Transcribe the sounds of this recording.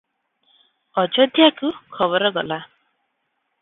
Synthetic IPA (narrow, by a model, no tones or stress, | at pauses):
ɔd͡ʒɔd̪ʱjakukʰɔβɔɾɔɡɔla